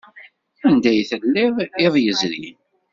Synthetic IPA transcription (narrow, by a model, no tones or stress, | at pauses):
ænd̪æjθəlːɪðˤɪðˤjəzɾḭn